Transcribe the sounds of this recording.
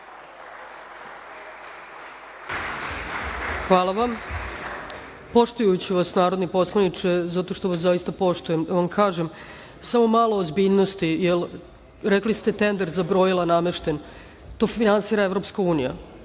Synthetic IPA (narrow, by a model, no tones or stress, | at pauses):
xʋaːlˠaʋam | po̞ʂt̪ujut͡ɕiʋasnaːɾo̞d̪nipo̞slˠanit͡ʂezat̪o̞ʃt̪o̞ʋasaist̪apo̞ʂt̪uje̞md̪aʋamkʰaːʒem | samo̞malo̞ːzbiʎno̞st̪ijel | ɾeklist̪e̞t̪e̞nd̪eɾzabɾo̞jilˠaname̞ʃt̪e̞n | t̪o̞ːfinansiːɾaevɾo̞pskauːnija̰